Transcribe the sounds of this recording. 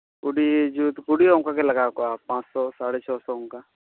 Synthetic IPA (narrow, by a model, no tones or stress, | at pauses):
ɡʊɽid͡ʒut̪ɡʊɽiõŋkakelɐɡaːkoapãːt͡ʃsɔsaːɽet͡ʃʰɔːsɔɦʊ̃ŋka